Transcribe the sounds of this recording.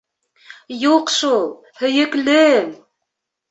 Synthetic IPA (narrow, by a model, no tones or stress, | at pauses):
juqʃulˠ | hɵ̆jɘ̆klɘm